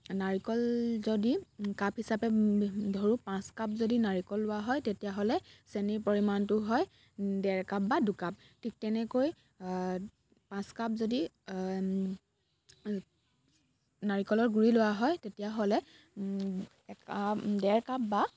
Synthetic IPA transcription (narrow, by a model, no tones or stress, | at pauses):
naɹikɔlzodikaphisapɛdʱoɹupãskap̚zodinaɹikɔlːʊwaɦɔjtetijaɦolɛseniɹpoɹimantʊɦɔj | dɛɹkap̚badukap̚ | tʰik̚tɛnɛkoj | pãskapzodi | naɹikɔlɔɹɡuɹilʊwaɦɔjtetijaɦolɛ | ɛkadɛɹkapba